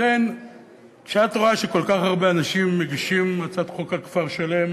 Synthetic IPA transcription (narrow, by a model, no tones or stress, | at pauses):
en | kʃeat̪ʁoaʃeko̞lkaχhaʁbeanaʃimːeɡiʃimːat͡sat̪χokakfaʁʃale̞m